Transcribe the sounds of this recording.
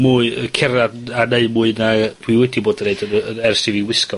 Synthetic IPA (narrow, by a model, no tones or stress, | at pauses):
muːɨəkʰɛraaneɨmuːɨnapʰuɨwɛdiboːdəneɨdənəɛrsiviwɪskɔ